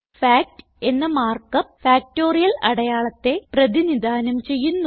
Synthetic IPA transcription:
faːk̚ʈ | e̞nːɐmaːrkɐfaːk̚to̞ːrijɐlɐɽɐjaːɭɐt̪ːe̞prɐðinid̪aːnɐmt͡ɕe̞jːunːu

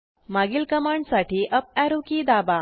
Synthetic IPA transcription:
maɡilkəmaɳɖsaʈiːʔəp̚æɾukiːd̪aba

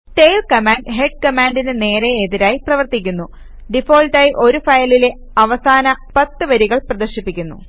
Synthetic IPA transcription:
ʈejlkɐmaːɳɖɦe̞ɖ̚kɐmaːɳɖinɨne̞ːɾeːðiɾaːjiprɐʋɐrt̪ikʲːunːu | ɖifo̞ːlʈaːjiʔo̞ɾufɐjɐlile | ɐʋɐsaːnɐpɐt̪ːɨʋɐɾiɣɐɭprɐd̪ɐrɕipːikʲːunːṵ

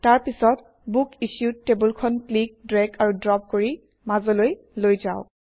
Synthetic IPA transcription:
taɹpisɔt | bukisjutːebulkʰɔnklik̚dɹɛkaɹudɹɔp̚koɹi | mazɔloj | lojzaʊ

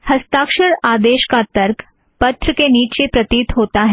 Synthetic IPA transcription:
hɐst̪aːkʃəɽaːd̪eːʃkat̪ɐɾk | pɐt̪ɾəkeniːt͡ʃepɾɐt̪iːt̪ɦoːt̪aɦɛ

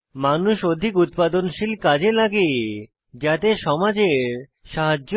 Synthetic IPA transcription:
manuʃod̪ʱikut̪̚pad̪onʃilkad͡ʑelaɡe | d͡ʑat̪eʃɔmad͡ʑeɾ | ʃaɦad͡ʑo

